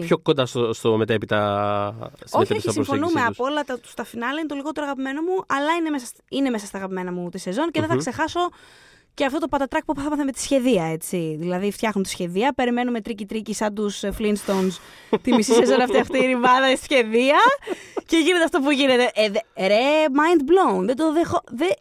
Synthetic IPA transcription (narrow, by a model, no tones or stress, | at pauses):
pço̞ko̞nd̪ɐst̪ost̪omet̪epit̪ɐ | sot̪eɐsimsfonumeɐsolɐt̪ɐt̪u̥st̪ɐfinɐlɐinet̪o̞liɣo̞t̪e̞ɾoɐɣɐpime̞nomuɐlɐinemesɐs | ine̞mesɐst̪ɐːɣɐpime̞nɐmut̪ise̞zo̞nceðeθɐɐkse̞xɐso̞ | ceɐft̪o̞t̪o̞pɐt̪ɐt̪ɾɐk̚pupθɐmɐθemet̪i̥sçe̞ðiɐe̞t͡siðilɐðift̪çɐxnunt̪i̥sçe̞ðiɐpe̞ɾime̞nume̞t̪ɾicit̪ɾicisɐd̪usflinst̪ons | t̪imisise̞zo̞nɐft̪iɐft̪iiɾivɐðɐissçe̞ðiɐce̞ʝine̞t̪eɐft̪o̞puʝine̞t̪e̞ʔðɾemɐjnd̪blounðed̪o̞ðexo̞ðe